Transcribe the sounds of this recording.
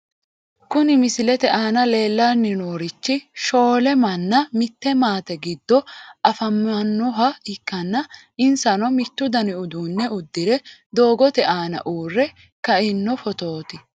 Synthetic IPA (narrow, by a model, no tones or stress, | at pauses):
kʊnɪmɪsɪlɛt̪ɛʔaːnɐle̞ːlːaːnːɪnoːɾɪt͡ʃːɪʃo̞ːlɛmɐnːɐmɪt̪ːɛmaːt̪ɛɡɪd̪ːɔɐfɐmɐnːɔɦɐɪkːɐnːɐ | ɪnsɐnɔmɪt̪ːʊd̪ɐnɪʊd̪uːnːɛʊd̪ːɪɾɛd̪o̞ːɡɔt̪ɛʔaːnɐ̰ʔuːrːɛ | kɐɪnːɔfɔt̪o̞ːt̪ɪ